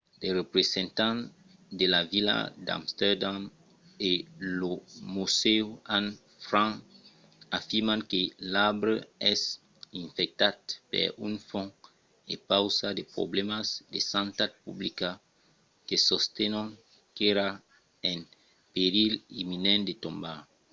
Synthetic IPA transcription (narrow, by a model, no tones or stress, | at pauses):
lerepɾesẽnt̪ãn | d̪elavila̰d̪a̰mst̪ɛɾd̪am | elomuseuan | fɾãŋ | afiɾmãŋkelabɾeɛs | ĩɱfɛk̚t̪at̪̚pḛɾunfɔ̃ | ḛpawsad̪epɾo̰blemasd̪esãnt̪ad̪̚publika | kesost̪enõŋ | keɾa | en | peɾilḭminɛ̃nd̪et̪õmba